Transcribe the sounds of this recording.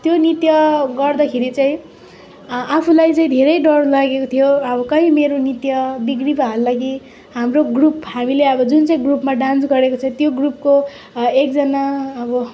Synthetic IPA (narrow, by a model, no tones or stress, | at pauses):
t̪jonit̪jʌɡʌrd̪ʌkʰeɾit͡saĩ | apʰulajt͡saĩd̪ʱeɾʌjɖʌɽlaɡekot̪ʰijoʌbʌkʌɦĩmeɾonit̪jʌbiɡribaɦalːʌɡi | hamroɡruphamileʌbʌd͡zunt͡saĩɡrupmaɖãnsɡʌɾekot͡sʰʌĩt̪joɡrup̚ko | ek̚d͡zʌnaːbʌ